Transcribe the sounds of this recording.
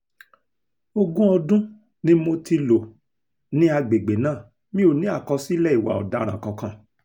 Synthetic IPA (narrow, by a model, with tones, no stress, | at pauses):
o˧ɡũ˦ɔ˧dũ˦ | nĩ˦mo˧ti˧lo˨ | nĩ˦a˧ɡ͡be˨ɡ͡be˨nãː˦˨ | mĩ˦o˨nĩ˦a˦˨kɔ˧si˦lɛ˦˨i˨wa̰˨ɔ̰˨da˨˦ɾ̃ã˨kã˧kã˧˦˨